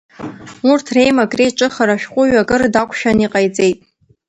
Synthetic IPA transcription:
urtʰre̞jmaɡrejʈ͡ʂʼɨχaɾaʃᶣqʷʼʊɥaɡɨrdakʷʰʃᶣaniqʼajt͡sʼe̞jtʼ

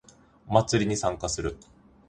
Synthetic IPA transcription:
mat͡sɨɾʲiɲ̟isãŋkasɨɾɯ̟

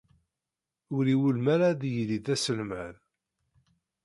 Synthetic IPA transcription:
ʊɾiwəlmæɾaðjliðæsəlmæð

